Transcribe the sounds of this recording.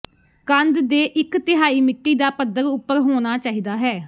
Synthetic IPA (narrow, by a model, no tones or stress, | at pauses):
kənd̪d̪eːʔɪkt̪ɪɦaːiːmɪkːiːd̪aːpəd̪əɾʊpːəɾɦoːñaːt͡ʃaːɦiːd̪aːɦɛː